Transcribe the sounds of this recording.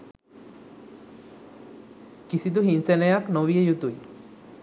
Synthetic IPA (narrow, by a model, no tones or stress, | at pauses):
kisid̪uɦinsenejaknoʋijəjut̪uj